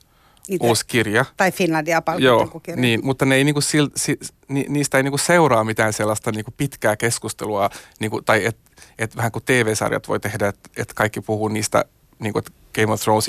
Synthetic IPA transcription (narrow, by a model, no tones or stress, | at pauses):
uːskirjɑt̪ɑifinlɑndiɑpɑljoːkuniːmut̪ːɑneeiniːŋkussilt̪si | niniːst̪æeiniːkusseuɾɑːmit̪æːnselːɑst̪ɑniːŋkupit̪kæːkeskust̪eluɑniːŋkut̪ɑiet̪ | et̪ʋæhæŋkut̪eːʋeːsɑ̰rjɑ̰t̪ʋo̰it̪ehdæet̪et̪kɑikːipuhuːniːst̪æ̰ | niːŋkuet̪ | ɡ̥eimoft̪roũns